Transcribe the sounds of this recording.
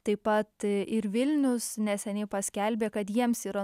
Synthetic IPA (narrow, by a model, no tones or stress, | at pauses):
t̪ɐɪpɐt̪ɪɾʋʲɪlʲnʲʊsnʲɛsʲɛnʲɪːpɐsʲkʲɛlʲbʲeːkɐt̪jiɛmsiːɾɐ